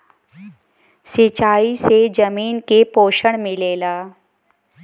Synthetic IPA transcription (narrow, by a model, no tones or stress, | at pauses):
sit͡ʃaːised͡ʒəmiːnkepoːʃəɽ̃mɪleːlaː